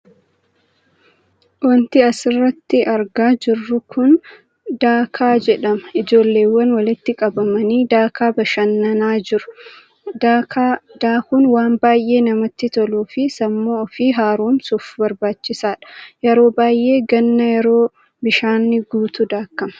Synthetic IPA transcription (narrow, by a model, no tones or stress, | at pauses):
wɔnt̪ɪɐsɪrːɐt̪ːɪʔɐɾɡaːd͡ʒɪrːʊkʰʊn | d̪aːkʰaːd͡ʒɛᶑɐmɐɪd͡ʒo̞ːlːe̞ːwːɐnwɐlɪt̪ːɪkʼɐbɐmɐniːd̪aːkaːbɐʃɐnːɐnaːd͡ʒɪɾʊ̥ | d̪̥aːkuːnwaːmbaːjʔe̞ːnɐmɐt̪ːɪt̪ɔluːfɪsɐmːoːɔfiːɦaːɾuːnsʊfbɐɾbaːt͡ʃːɪsaːᶑɐ̥jɛɾo̞ːbaːjʔe̞ːɡɐnːɐjɛɾo̞ː | bɪʃaːnːɪɡuːt̪ʊd̪aːkːɐmɐ̥